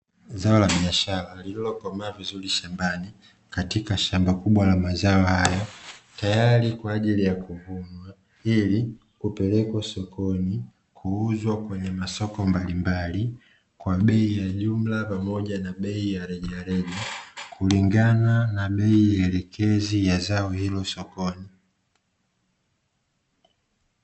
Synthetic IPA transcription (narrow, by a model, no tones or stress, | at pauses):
zaɔlaɓiaʃalalililɔkɔmaavizuliʃambani | katikaʃambakuɓwalamazaɔhajɔtajalikwaːʄilijakuvuɲwa | ili | kupɛlɛkwasɔkɔni | kʰuuzwakwɛɲɛmasɔkɔmbalimbali | kwaɓɛijaʄum̩lapamɔʄanaɓɛijaɾɛʄɛaɾɛʄakʰuliŋɡananaɓɛiɛlɛkʰɛzijazaɔhilɔsɔkɔni